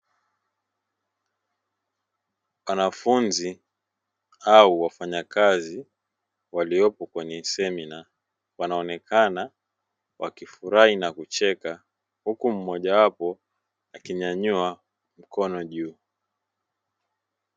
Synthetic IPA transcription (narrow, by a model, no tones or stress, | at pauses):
wanafunzi | auwafaɲakazi | waliɔpɔkwɛɲɛsɛmina | wanaɔnɛkana | wʔa̰kifuɾainakut͡ʃɛka | hukum̩mɔʄawapɔ | akiɲaɲua | m̩kʰɔnɔʄuː